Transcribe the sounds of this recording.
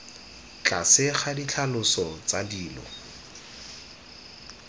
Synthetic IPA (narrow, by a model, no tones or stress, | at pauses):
t͡ɬʼa̰sɪχadit͡ɬʰalʊsɔt͡sadiːlɔ̰